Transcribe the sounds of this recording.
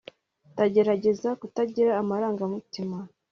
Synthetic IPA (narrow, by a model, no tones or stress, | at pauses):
taɟe̞ɾaɟe̞zakutaɟiɾaːmaɾaːŋɡamutima